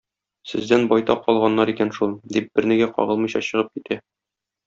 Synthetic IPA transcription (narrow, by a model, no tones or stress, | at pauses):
sɘ̆zd̪ænbɒjt̪ɑqːɒlˠʁɑnːɑɾikænʃulˠd̪ip̚b̥ɘ̆ɾnɘ̆ɡæqɒ̰ʁɤ̆lˠmɤ̆jɕɑɕɤ̆ʁɤp̚kit̪ʰæ